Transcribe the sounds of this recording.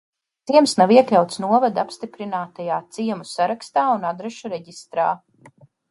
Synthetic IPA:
tt̪siɛmsnaviɛklʲawt̪snuɔvad̪apst̪ipɾinaːt̪ajaːt̪siɛmusaɾakst̪aːunad̪ɾɛʃuɾɛɟist̪ɾaː

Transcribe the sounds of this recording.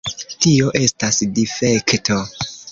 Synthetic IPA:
tio̞ʔe̞stasdife̞ktʰo̞

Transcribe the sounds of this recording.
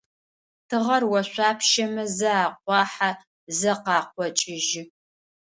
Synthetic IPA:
tʰɨʁɐrwɐɕʷaːpʰʃɐmɐzɐaːqʷɑːħa | zɐqɑːqʷɔt͡ʃʼɪʒɪ

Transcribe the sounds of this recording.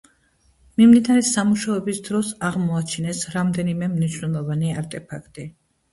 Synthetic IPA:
mimd̪inaɾɛsamuʃaɛbisd̪ɾɔsaʁmɔat͡ʃʰinɛsɾamd̪ɛnimɛmniʃwnɛlˠɔvaniaɾt̪ʼɛpʰakʰt̪ʼi

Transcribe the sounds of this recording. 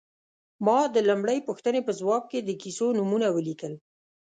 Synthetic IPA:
mɑd̪əlamɽəjpuxt̪ənepəzwɑb̚ked̪əkisonumunawəlikəl

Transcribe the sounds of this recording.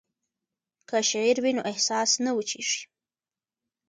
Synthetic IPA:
kaʃaʕiɾwinoʔɪhsɑsnawət͡ʃiʂi̥

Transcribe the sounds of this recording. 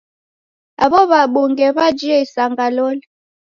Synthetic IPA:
aβɔβaɓuŋɡɛβad͡ʒiɛisaŋɡalɔli

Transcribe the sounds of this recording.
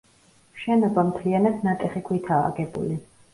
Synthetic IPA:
mʃɛnɔbamt̪ʰlianad̪nat̪ʼɛχikʰwit̪ʰa̰ːɡɛbṵli

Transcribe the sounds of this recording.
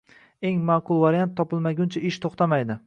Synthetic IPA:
e̞ŋmaːqʰʊlˠvaɾjant̪ʰːɒpɪlˠmaɡʲʊnt͡ʃʰaɪʃt̪ʰoχt̪ʰamajd̪ɪ

